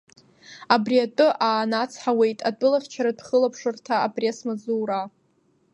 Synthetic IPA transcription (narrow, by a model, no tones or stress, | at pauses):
abriatʼɨʔaːnat͡sʰħawe̞jtʼatʷʼʊlaft͡ʃʰaɾadχəlapʰʂɨrtʰaːbriasmazuːɾa